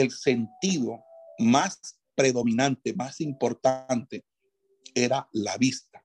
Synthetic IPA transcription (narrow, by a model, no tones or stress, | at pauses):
e̞lse̞nt̪iðo̞mas | pɾe̞ðo̞mĩnant̪e̞masimpo̞ɾt̪ant̪e | e̞ɾala̰βist̪ḁ